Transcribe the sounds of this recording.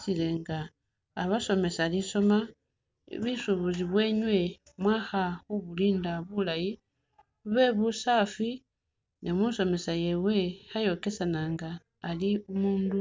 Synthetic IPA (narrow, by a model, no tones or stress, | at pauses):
sile̞ŋɡaː | βaso̞me̞saliso̞ma̰ | βisuβuziβwe̞ɲwe̞ | mwaxaxuβuliːndaβulaji | βe̞βusafi | nemuso̞me̞saje̞we̞xajo̞ke̞sanaŋɡaː | liumuːndu